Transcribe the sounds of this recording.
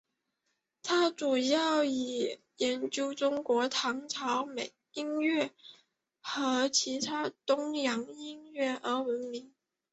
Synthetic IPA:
t̪ʰa˥ʈ͡ʂu˨˩jɑ˥˩ʊi˨˩ | jɛ˧˥nt͡ɕjo˥ʊʈ͡ʂʊ˥ŋkwɔ˧˥t̪ʰɑ˧˥ŋʈ͡ʂʰɑ˧˥ʊme˨˩ɪi˥nɥɛ˥˩ | xɤ˧˥t͡ɕʰi˧˥t̪ʰa˥t̪ʊ˥ŋjɑ˧˥ŋi˥nɥɛ˥˩ʔə˧˥wə˧˥nmi˧˥ŋ

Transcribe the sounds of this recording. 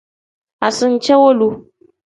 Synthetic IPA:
ʔa˨sʊ˦nt͡ʃe˦wo˦lu˦

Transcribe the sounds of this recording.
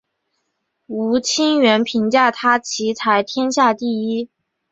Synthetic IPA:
u˧˥t͡ɕʰi˥ŋɥɛ˧˥npʰi˧˥ŋt͡ɕja˥˩t̪ʰa˥t͡ɕʰi˧˥t̪ʰa˧˥ɪt̪ʰjɛ˥nɕja˥˧t̪i˥˩i˥

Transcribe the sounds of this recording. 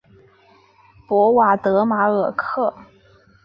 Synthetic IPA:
pwɔ˧˥wa˨˩t̪ɤ˧˥ma˧˥ə˨˩kʰɤ˥˩

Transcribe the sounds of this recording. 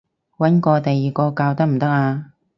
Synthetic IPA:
wɐ˨˥nkɔː˧t̪ɐ˨jːiː˨˩kɔː˧kaː˧wt̪ɐ˥k̚m̩˨˩t̪ɐ˥k̚aː˧

